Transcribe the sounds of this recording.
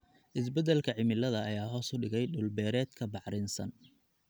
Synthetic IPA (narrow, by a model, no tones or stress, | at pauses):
ʔɪs̬bɛd̪ɛlkʰɐʕɪmɪlɐðɐːjaːɦɔːsʊɖɪɣɛjɖʊlbɛːɾɛːd̪kʰɐbɑħɾɪnsɐ̰n